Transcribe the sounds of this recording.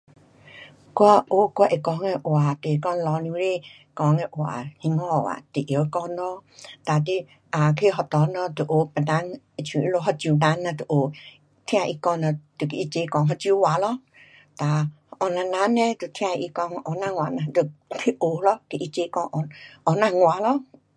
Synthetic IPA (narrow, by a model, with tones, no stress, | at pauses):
kwa˧˦ʔo˧˦kwa˧ʔe˨kɔ˧˦ŋɛ˧ʔo˨a˨t̪e˨kɔ˧n˧lɔ˨˧˦ni˧ɾe˦ | kɔ˨˧˦ŋɛ˧ʔwa̰˨hi˧˦ŋɔ˧˨wa̰˨t̪ɨ˨ʔjə˨˦kɔ˧nɔ˧˦t̪a˨t̪i˧ | a˨kʰe˧ɦɔ˨˧t̪ɔ˨˧˦nɔ˧t̪u˨ʔo˨˦pə˨na˧˦ŋ | e˨t͡ʃʰũ˨ʔi˦lo˧˦ɦɔ˧d͡ʒu˨na˧˦nːa˧d̪ɨ˨ʔo˨ | t̪ʰĩ˦ã˧ʔi˧kɔ˧nɔ˧t̪u˨ke˨i˧t͡ʃe˧˦kɔ˧˨ŋɦɔ˧d͡ʒi˧˦wa˨lɔ˦ | t̪a˨ | ʔɔ˨na˧na˧˦nɛ˧t̪ɨ˨t̪ʰĩ˦ã˧ʔi˧˦kɔ˧ŋ˧ʔɔ˨˦na˧ŋwa˨na˧˨du˨tʰi˧˦ʔo˨˦lɔ˦ke˧ʔi˦t͡ʃe˧˦kɔ˧˦ʔɔ˨ɔ˨na˧ŋwa˨˦lɔ˦